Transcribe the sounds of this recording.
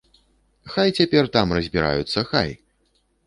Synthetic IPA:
xajt͡sʲapʲɛrt̪amrɐzʲbʲiɾa̰jut̪sːɐxa̰j

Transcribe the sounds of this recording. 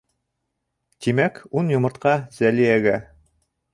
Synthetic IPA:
t̪imækunjŏmɤ̆ɾt̪qɑzælijæɡæ

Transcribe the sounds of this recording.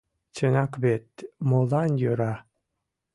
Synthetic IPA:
t͡ɕənɑkβet̪molɑnjøɾɑ

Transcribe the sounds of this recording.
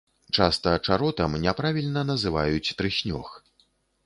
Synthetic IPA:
t͡ʂast̪ɐt͡ʂaɾɔt̪ɐmnʲɛpɾavʲilʲnɐnɐzɨva̰jut͡sʲt̪ɾɨsʲnʲɔ̰x

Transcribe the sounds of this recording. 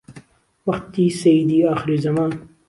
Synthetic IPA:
wɐqt̪iːsɐjid̪iːɑːxɨɾiːzɐmɑːn

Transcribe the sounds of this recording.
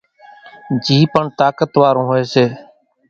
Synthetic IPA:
d͡ʒiːpəɳt̪aːkət̪ʋaːɾõːɦoːeːseː

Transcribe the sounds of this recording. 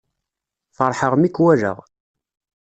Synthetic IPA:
fəɾˤħəʁmikːwæʒə̰ʁ

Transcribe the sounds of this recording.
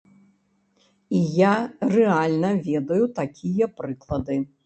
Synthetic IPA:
ijarɛalʲnɐvʲɛd̪ɐjut̪akʲijɐpɾɨklˠɐd̪ɨ

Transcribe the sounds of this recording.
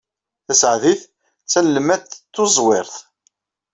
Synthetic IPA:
θæsəʕðiθ | t͡sːælːəmæθt͡s̪ːʊzˤwɪɾθ

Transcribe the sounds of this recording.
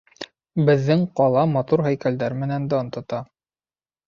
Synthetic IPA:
bɘ̆ðːɘŋqɒlˠɑmɑt̪uɾɦæjkæld̪æɾmɘ̆nænd̪æŏnt̪ɤ̆t̪ɑ

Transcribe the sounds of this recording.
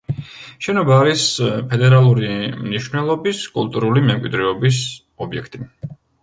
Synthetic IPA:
ʃɛnɔbaːɾispʰɛd̪ɛɾalˠuɾimniʃwnɛlˠɔbiskʼulˠt̪ʼuɾulimɛmkʼwid̪ɾɛɔbis | ɔbiɛkʰt̪ʼi

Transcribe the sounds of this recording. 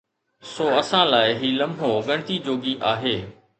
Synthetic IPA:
soːɐsãlaːɪɦiːlɐmʱoɡɐ̃ɽ̃ɪt̪iːd͡ʑoːɡiʔaːɦeː

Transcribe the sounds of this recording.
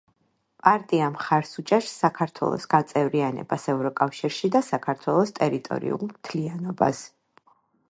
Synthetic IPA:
pʼaɾt̪ʼiamχaɾsut͡ʃʼɛɾsːakʰaɾt̪ʰwɛ̰lˠɔ̰sɡ̥at̪sʼɛvɾianɛ̰b̥asɛvɾɔkʼafʃiɾʃid̪asakʰaɾt̪ʰwɛlˠɔst̪ʼɛɾit̪ʼɔ̰ɾḭṵlˠmt̪ʰlianɔba̰s

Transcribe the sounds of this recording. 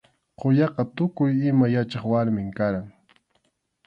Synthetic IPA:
qʊjɑqɑt̪ʊkʊjɪmajat͡ʃɑχwaɾmɪŋkaɾaŋ

